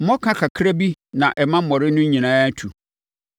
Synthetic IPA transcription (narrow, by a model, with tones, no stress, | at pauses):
m̩˦mɔ̃˦kʰã˦kʰa˨kʰɾa˦bi˦nã˨ʔɛ˨mã˦m̩˦mɔ̃˨ɾɪ˦nʊ̃˦ɲĩ˨nãː˦tʰu˨